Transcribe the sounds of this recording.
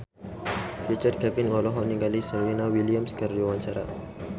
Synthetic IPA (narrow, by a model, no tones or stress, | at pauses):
rit͡ʃər̚kɛvinɔlɔɦɔniŋɡalisəlwinawiliamskərdiwaɲt͡ʃaɾa̰